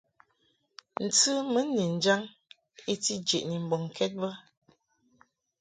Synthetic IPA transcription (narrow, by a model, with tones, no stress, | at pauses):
n̩˨t͡sɨ˦mə˨˦ni˨n̩˨d͡ʒa˦ŋ | e˦ti˦d͡ʒe˨ʔni˨m̩˨bɔ˨ŋ˨kʰɛ˦t̚bə˦